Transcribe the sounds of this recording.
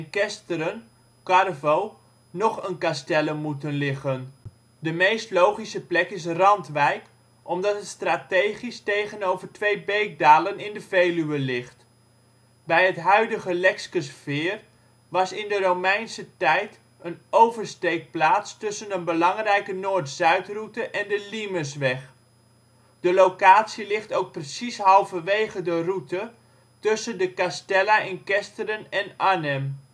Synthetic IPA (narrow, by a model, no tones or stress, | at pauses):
ɛnkɛstəɾən | kɑrvow | nɔχənkastɛləmutənlɪχən | dəmejstlowχisəplɛkɪs̬rɑntʋɛjk | ʔɔmdɑtətstraːtejχistejχənowvərtʋejbejk̚daːlənɪndəvejlyʋəlɪχt | bɛjɦətɦœɥdəχəlɛkskəsfɪːr | ʋɑsɪndəromɛjnsətɛjt | ənowvərstejk̚plaːtstɵsənənbəlɑŋrɛjkənoːrtz̥œɥtrutəʔɛndəliməsʋɛχ | d̥əlowkaːtsilɪχtowk̚prəsisɦɑlˠvəʋejχədərutə | tɵsəndəkastɛlaʔɪnkɛstərənɛnanɛm